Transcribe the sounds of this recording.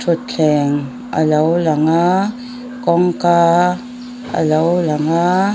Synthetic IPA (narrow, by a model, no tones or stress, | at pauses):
tʰutt͡ɬʰɛŋ | a̰lawlaŋa | kɔŋka | a̰lawlaŋa